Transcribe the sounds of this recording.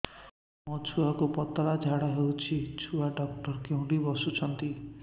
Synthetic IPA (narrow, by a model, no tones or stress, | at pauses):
mɔt͡ʃʰuakupɔt̪ɔlad͡ʒʱaɽaɦewt͡ʃʰit͡ʃʰuaɖɔk̚ʈɔɾkew̃ɽibɔsut͡ʃʰɔnt̪i